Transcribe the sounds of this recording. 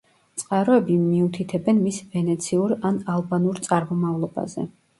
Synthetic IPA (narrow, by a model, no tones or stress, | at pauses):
t̪sʼqʼaɾɔɛbimiut̪ʰit̪ʰɛbɛnmisvɛnɛt̪sʰiuɾanalˠbanuɾt̪sʼaɾmɔmavlˠɔba̰zɛ̰